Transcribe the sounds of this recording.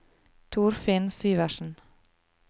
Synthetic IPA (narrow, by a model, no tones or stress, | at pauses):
t̪ʰuːɾfɪnsyːʋæʃn̩